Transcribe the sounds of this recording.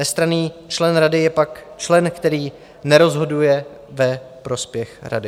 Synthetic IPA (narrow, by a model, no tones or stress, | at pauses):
nɛst̪ɾaniːt͡ʃlɛnɾadɪjɛpakt͡ʃlɛnkt̪ɛɾiː | nɛɾo̞zɦo̞dujɛ | vɛpɾo̞spjɛxɾa̰dɪ